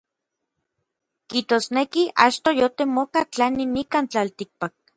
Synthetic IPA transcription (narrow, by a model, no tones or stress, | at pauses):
kiht̪osnekiʔa̰t͡ʃt̪ojot̪emokat͡ɬaninikaːnt͡ɬalt̪ik̚pak̚